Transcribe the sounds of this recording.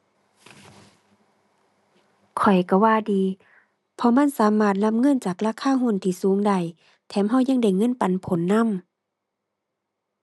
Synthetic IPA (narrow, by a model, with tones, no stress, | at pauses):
kʰɔ˨˩jka˧˩waː˧˨diː˨˦ | pʰɔ˧ma˧˥˨nsaː˨˦maː˧˩t̪̚la˧˥˨mŋɤ˧˥˨nt͡ɕaː˨˩k̚laː˧˥˨kʰaː˧˥˨ɦu˧˥˨nt̪ʰiː˧˩suː˨˦ŋda˧˩˨j | t̪ʰɛː˨˧˦mɦa˧˥˨wɲa˧˥˨ŋda˧˩jŋɤ˧˥˨npa˨npʰo˨˦nːa˧˥˨m